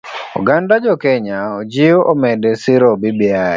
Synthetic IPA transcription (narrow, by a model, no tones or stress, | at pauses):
ṵɡandad͡ʒɔkɛɲaod͡ʒioʔomɛdesɪɾobibia